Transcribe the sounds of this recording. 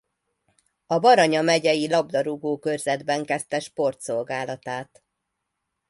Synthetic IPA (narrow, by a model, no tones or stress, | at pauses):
ɒbɒɾɒɲɒmɛɟɛjilɒbd̪ɒɾuɡoːkørzɛd̪bɛŋkɛst̪ɛʃpo̞rt̪so̞lɡaːlɒt̪aːt̪